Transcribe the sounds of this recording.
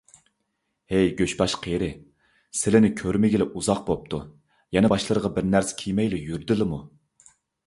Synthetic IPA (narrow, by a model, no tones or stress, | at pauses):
hejɡʲøʃbɑʃqʰeɾɪ | sɪlɪnɪkʲʰøɾmɪɡʲilɪʔuzɑq̚bop̚t̪ʰu | jɛnɛbɑʃlˠəɾəʁɑbɪɾnæɾsɪ̥kʲʰijmɛjlɪjyɾd̪ɪlɪmu